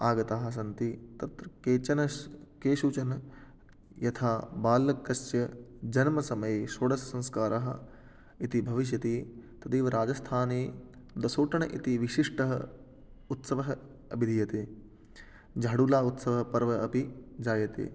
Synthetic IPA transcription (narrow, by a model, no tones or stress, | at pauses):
aːɡɐt̪aːɦɐ̆s̬ɐnt̪it̪ɐt̪ɾɐkeːt͡ʃɐnɐkeːʃuːt͡ʃɐnɐ | jɐt̪ʰaːbaːlːɐkːɐsjɐd͡ʒɐnmɐsɐmɐjeʃoːɽɐsɐsɐ̃nskaːɾʔɐɦɐ̆ | it̪ibʱɐʋiʃ̬jɐt̪iːt̪ɐt̪iːʋɐɾaːd͡ʒɐst̪ʰaːneː | d̪ɐsoːʈɐɳɐʔit̪iʋiʃiʂʈɐɦɐ̰ | ut̪sɐʋɐɦɐ | ɐbʱid̪ʱijɐt̪eː | d͡ʒaːɽuːlaːut̪sɐʋɐɦɐpɐɾʋɐɐpid͡ʒaːjɐt̪ḛː